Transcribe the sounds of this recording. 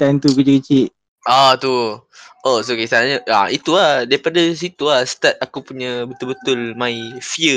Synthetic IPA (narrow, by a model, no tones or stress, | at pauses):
t̪ant̪ukəd͡ʒəkit͡ʃɪʔ | ʔat̪u | osokest̪anaɲəa̰it̪uadaipadas̬it̪uahst̪at̪̚akupuɲəbət̪ʊlbət̪ʊlmaifiə